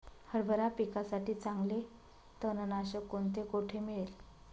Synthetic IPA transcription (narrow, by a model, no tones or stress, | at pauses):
həɾbʱəɾapikasaʈiːt͡saŋɡle | t̪ənənaɕəkoɳt̪ekoʈʰemiɭel